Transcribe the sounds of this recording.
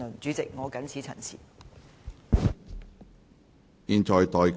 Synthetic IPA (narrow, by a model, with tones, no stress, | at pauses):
ʊ˨˩nt͡syː˨˥t͡sɪ˨k̚ŋɔː˨˧kɐ˨˥nt͡sʰiː˨˥t͡sʰɐ̰˨˩nt͡sʰḭː˨˩ | jiː˧nt͡ʃɔː˨jt̪ɔː˨jk